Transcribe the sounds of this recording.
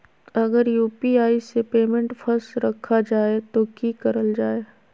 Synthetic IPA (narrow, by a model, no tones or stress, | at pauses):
ɐɡəɾjuːpiaːisepeːmẽɳʈfʰɐɾsɾɐkʰːad͡ʒaːet̪okikɐɾəld͡ʒaːeː